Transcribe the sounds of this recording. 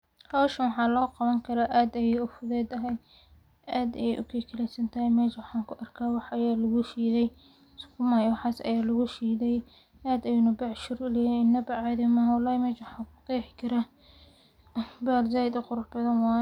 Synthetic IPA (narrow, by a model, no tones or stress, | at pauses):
hɔwʃɐnwɑħɑːlɔːqɑβɐŋkʰɐɾaːʔaːd̪ɐjɛʊfʊðɛːd̪ɐɦɛj | aːd̪ɐjɛʔʊ̰kʰɛkʰɐlɛsɐnt̪ʰɐhɛjmɛːʃwɑħɑːŋkʰʊʔɐrkʰaːwɑħʔɐjaːlɐɣʊʃiːðɛj | skʰʊmaːjwɑħɑːsɐ̰jaːlɐɣʊʃiːðɛj | ʔaːd̪ɐjʊnɐbɐʕʃʊɾʊlɛːjɛɪnːɐbɐʕaðɪmaːhwɑlːaːhɪmɛːʃwɑħɑkʊt̪ɛːħɪkʰɐɾa | baːlzaːɪd̪ɪqʊɾʊħbɐðɐnwɑː